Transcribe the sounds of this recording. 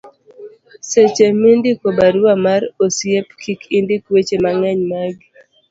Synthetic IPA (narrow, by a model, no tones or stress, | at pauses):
set͡ʃemindikobaɾamaɾosjepkʰikindikwet͡ʃemaŋɛɲmaɡi